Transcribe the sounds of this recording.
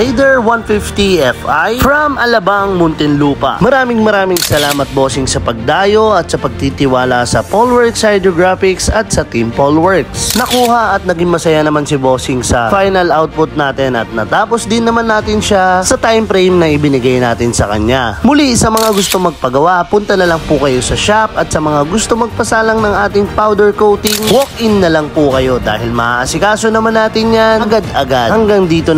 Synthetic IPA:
lejd̪ɛɹwanfɪft̪iɛfajfɾɐmɐlɐbaŋmʊnt̪ɪnluːpɐ̰ʔmɐɾaːmɪŋmɐɾaːmɪŋsɐlaːmɐt̪̚boːsɪŋsɐpɐɡ̚d̪aːjo̞ɐt̪̚sɐpɐɡ̚t̪it̪ɪwaːlɐsɐpolwɛɹksɐjd̪ɾoɡɹafɪksɐt̪̚sɐt̪impolwɛɹksnɐkuːhɐʔɐt̪̚nɐɡɪŋmɐsɐjanɐmansɪboːsɪŋsɐfajnɐlawt̪̚pʊt̪̚naːt̪ɪnɐ̰t̪̚nɐt̪aːpo̞sd̪ɪnːɐmanːaːt̪ɪnʃasɐt̪ajmpɾɛjmnɐʔɪbɪnɪɡajnaːt̪ɪnsɐkɐ̰ɲamʊliɪsɐmɐŋaɡʊst̪o̞ŋmɐɡ̚pɐɡɐwaʔpʊnt̪ɐnɐlɐŋpʊkɐjo̞sɐʃapɐt̪̚sɐmɐŋaɡʊst̪omːɐɡ̚pɐsaːlɐŋnɐŋʔaːt̪ɪŋpawd̪ɛɹkowt̪ɪŋwok̚ʔɪnːɐlɐŋpʊkɐjo̞d̪a̰ːɦɪlmɐʔaʔɐsɪkaːsonɐmanːaːt̪ɪnjanɐɡad̪ɐɡadhɐŋɡaŋd̪iːt̪o̞

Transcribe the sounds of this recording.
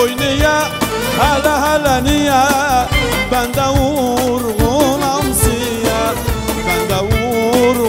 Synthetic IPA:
ojnija | halaɦalanijaband̪awuuɾuŋolam̩sijaband̪awuuɾu

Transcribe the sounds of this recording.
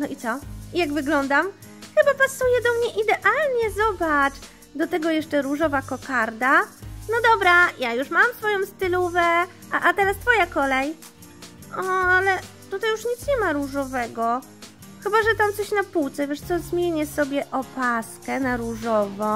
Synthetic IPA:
nɔʔit̪sɔijaɡvɘɡlɔnd̪am | xɘbapasujɛd̪ɔmɲɛʔid̪ɛʔalɲɛzɔbat͡ʂ | d̪ɔt̪ɛɡɔjɛʂt͡ʂɛɾuʐɔvakɔkaɾd̪anɔd̪ɔbɾajajuʂmamfsfɔjɔ̃w̃st̪ɘluvɛ | aʔat̪ɛɾast̪fɔjakɔlɛj | ʔɔalɛ | t̪ut̪ajuʂɲit̪sɲɛmaɾuʐɔvɛɡɔ | xɘbaʐɛt̪amt̪sɔɕnapuwt̪sɛvʲɛʂt̪sɔzmʲjeɲɛsɔbʲjɛʔɔpaskɛnaɾuʐɔvɔ̃

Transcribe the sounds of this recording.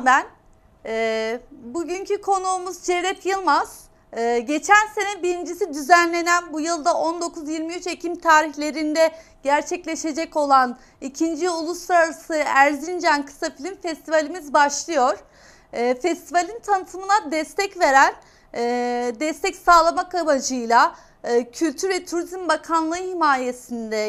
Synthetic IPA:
mæn | ɛbuɟyɲcʰykʰo̞nuːmuzt͡ʃeɾɛfjɯlˠmaz̥ | ɯːɟe̞t͡ʃʰænse̞nɛbiɾind͡ʒis̬id̪yzænlʲe̞nænbujɯlˠd̪aʔond̪o̞kʰuzjiɾmiyt͡ʃe̞cʰimt̪ʰaːɾiçlʲe̞ɾind̪ɛ | ɟ̥æɾt͡ʃʰɛclʲe̞ʃe̞d͡ʒɛco̞lˠan | icʰind͡ʒiulˠuslˠaɾaɾasɯæɾzind͡ʒænkʰɯ̥safilʲimfɛst̪ivalʲimizbaʃlˠɯjo̞ɾ̥ː | fɛst̪ʰivalʲint̪ʰanɯt̪ʰɯmɯnad̪ɛst̪ʰɛcve̞ɾænː | d̪ɛst̪ɛcsaːlˠamakabad͡ʒɯjlˠa | ɯːcʰylʲt̪ʰyɾvɛt̪ʰuɾizmbakʰanlˠɯɯhimaːje̞sind̪ɛ

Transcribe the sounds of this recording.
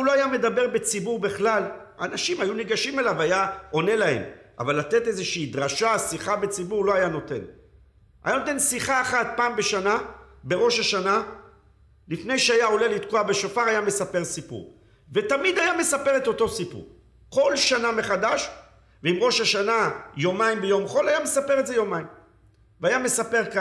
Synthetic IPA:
lo̞ajame̞d̪abe̞ʁbe̞t͡sibuʁbeχlal | anaʃimajuniɡaʃimelavajao̞ne̞lahe̞̰mʔa̰valat̪e̞t̪e̞zeʃiːd̪ʁaʃasiχabe̞t͡sibuʁlo̞ajano̞t̪e̞̰n | a̰jano̞t̪e̞nsiχaːχat̪̚paːmbe̞ʃanabe̞ʁo̞ʃaʃana | lifne̞jʃeajao̞le̞lit̪koabeʃofaʁajame̞sape̞ʁsipṵʁ | ve̞t̪amid̪ajame̞sape̞ʁe̞t̪o̞t̪o̞sipṵ | ko̞lʃaname̞χad̪aʃ | veimʁo̞ʃaʃanajo̞maimbejo̞mχo̞lajame̞sape̞ʁetze̞jo̞maim | veajame̞sape̞ʁka

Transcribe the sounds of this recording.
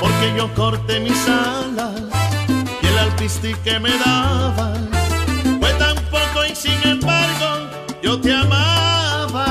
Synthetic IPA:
po̞ɾke̞ʝo̞ko̞ɾt̪e̞misala | sielalpist̪ike̞meðaβa | fwet̪ampo̞koensiŋẽ̞mbaɾɣo | ʝo̞t̪eamaβa

